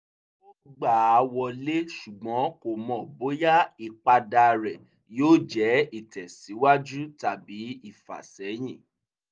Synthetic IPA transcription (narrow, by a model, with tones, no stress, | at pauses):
o˦ɡ͡ba˦˨a˨˧wɔ˧le˦ʃu˨ɡ͡bɔ̃˨˦ko˨mɔ̃˨bo˨˦ja˦i˨k͡pa˧da˧ɾɛ˨ | joː˦d͡ʒɛ˨˦i˦˨tɛ˨si˨˦wa˦d͡ʒu˦ta˦˨bi˨˦i˦˨fa̰˨sɛ˨˦j̃ĩ˦˨